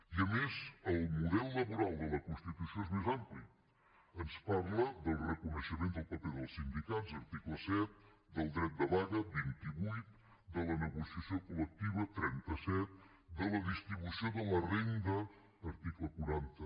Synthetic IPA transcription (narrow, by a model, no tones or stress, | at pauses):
iəmezəlˠmuðɛlˠːəβuɾalˠd̪ələkunst̪it̪usioezmezampli | ənspaɾləðəlˠrəkunəʃəmẽnd̪əlˠpəpeðəlˠsind̪ikazəɾt̪ikləsɛt̪̚ | d̪əlˠd̪ɾɛt̪̚d̪əβaɣəbint̪iβujt̪̚ | d̪ələnəɣusiəsiokulək̚t̪iβət̪ɾɛnt̪əsɛt̪̚ | d̪ələðist̪ɾiβusioðələrend̪əː | ɾt̪ikləkuɾant̪ə